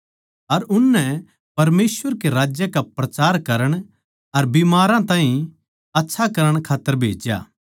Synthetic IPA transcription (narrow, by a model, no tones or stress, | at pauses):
ɐɾʊnːɛ | pɐɾmeːsʋəɾkeɾaːd͡ʒjəkapɾɐt͡ʃaːɾkɐɾəɽ̃ | ɐɾbimaːɾãt̪ãːɦĩ | ɐtːʃʰakɐɾəɽ̃kʰaːt̪ːəɾbʱeːd͡ʒja̰ː